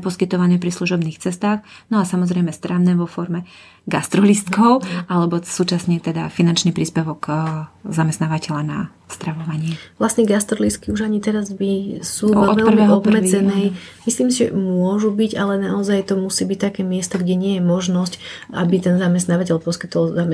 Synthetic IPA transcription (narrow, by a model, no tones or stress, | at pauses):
pɔskit̪ɔʋanɛːpɾisluʒɔbniːxt͡sɛst̪aːxnɔasamɔzɾɛjmɛst̪ɾaʊnɛːʋɔfɔɾmɛ | ɡast̪ɾɔlist̪kɔʊʔalɛbɔsuːt͡ʃasɲɛt̪ɛd̪afinant͡ʃniːpɾiːspɛʋɔɡzamɛst̪naːʋacɛʎana̰ | st̪ɾaʋɔʋaɲɪɛʋlasɲɛɡast̪ɾɔlist̪̚kiuʒaɲit̪ɛɾazbisuɔt̪ɛlprʋɛːɦɔbmɛɛnɛjmisliːmsiʒɛ̰mʊɔʒubiɟalɛnaɔzajt̪ɔmusiːbic̚t̪akɛːmɪɛst̪ɔɡɟɛɲɪɛjɛmɔʒnɔsca̰bit̪ɛnzamɛst̪naːʋacɛʎpɔskit̪ɔlzam